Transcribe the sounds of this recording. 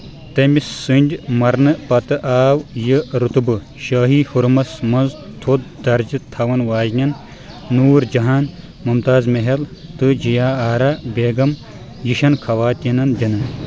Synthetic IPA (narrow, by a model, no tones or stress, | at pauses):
t̪ɐmisːɨnʲdʲmɐɾnɨpɐt̪ɨʔaːwjɨɾut̪ɨbɨ | ʃɐːɦiːhuɾmɐsmɐnzt̪ʰod̪̚d̪ɐɾd͡ʒɨt̪ʰɐwɐnʋaːʒnʲɐnː | uːɾd͡ʒɐɦaːn | mumt̪aːzmeɦelt̪ɨd͡ʒijaːaːɾɐbeːɡɐm | jiʃɐnkʰɐwaːt̪ʲinɐndɐnɨ